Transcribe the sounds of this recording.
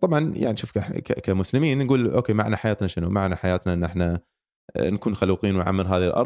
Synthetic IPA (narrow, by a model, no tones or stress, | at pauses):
t̪ˤɑbʕɑnja̰ʕniʃuːfkkakamʊslɪmiːnːɡuːlʔo̰ːkeːmaʕnaħajaːt̪naʃɪnumaʕnaħajaːt̪naʔɪnːʔɪħna | nakuːnxaluːqiːnwnʕa̰mːɪɾɦaːðɪlʔɑ̰ɾˤ